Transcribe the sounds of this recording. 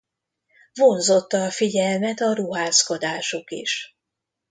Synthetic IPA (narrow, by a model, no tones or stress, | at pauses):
vo̞nzo̞t̪ːɒːfiɟɛlmɛt̪ɒɾuɦaːsko̞d̪aːʃokḭʃ